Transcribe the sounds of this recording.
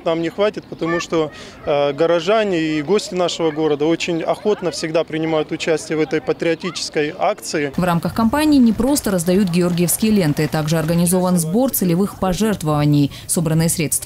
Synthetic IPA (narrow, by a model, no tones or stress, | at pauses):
namnʲɪxvatʲɪt̪̚pət̪ɐmuʂt̪o̞ | ɡəɾɐʐanʲɪːɡo̞sʲtʲɪnaʂɨvəɡo̞ɾəd̪əo̞t͡ɕɪnʲɐ̰xo̞t̪nəfsʲɪɡd̪apɾʲɪnʲɪmajʊt̪ʊt͡ɕæsʲtʲɪjəvɛt̪əjpət̪ɾʲɪɐtʲit͡ɕɪ̥skəjakt̪sɨɪvramkəxkɐmpanʲɪːnʲɪpɾo̞st̪əɾəzd̪ɐjut̪̚ɡʲɪo̞rɡʲɪjəfskʲɪjəlʲe̞nt̪ɨt̪aɡʐɨɐrɡənʲɪzo̞vənzbo̞rt̪sɨlʲɪvɨxpɐʐɛrt̪vəvənʲɪj | so̞bɾənːɨjəsɾʲe̞t̪st̪və